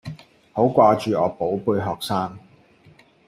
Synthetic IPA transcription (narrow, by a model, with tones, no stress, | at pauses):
ho˨˥wkʷaː˧t͡ʃyː˨ɔː˨˧po˨˥wpuː˧jɦɔː˨k̚saː˥ŋ